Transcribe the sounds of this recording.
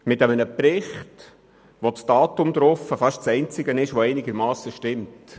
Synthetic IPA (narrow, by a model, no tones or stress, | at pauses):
mɪtɛmənəpɾɪχt | ʋot͡sd̥ɑːtʊmd̪ɾɔfəfɑʃt͡sɛɪnt͡sɪɡənɪʃʋoɛɪnɪɡəɾmɑːsəʃtɪmt